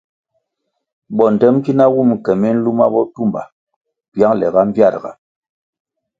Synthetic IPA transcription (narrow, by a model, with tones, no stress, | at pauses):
ɓɔ˨n˨tɛ˦m˦ki˦na˦wu˦˨m˨kɛ˨mi˦n̩˦lu˦ma˦bɔ˦tu˦mba̰˨ | bja˦ŋlɛ̰˨ɣa˦m˦bja˦˨ɾɡa̰˨